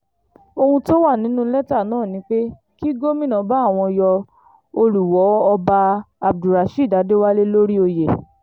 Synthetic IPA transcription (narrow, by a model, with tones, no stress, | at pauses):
o˧hũ˧to˦wa˦˨nĩ˨˦nũ˦lɛ˦ta˦˨nãː˦˨nĩ˨˦k͡pe˦ | ki˦ɡo˦mĩ˦nã˨˦ba˦˨w̃ɔ̃˧jɔ˧ | o˧lu˨wɔ˨˦ɔ˧ba˧a˨b̚du˨ɾa˨ʃi˦˨da˨˦de˦wa˦le˦lo˦ɾi˦o˧je˨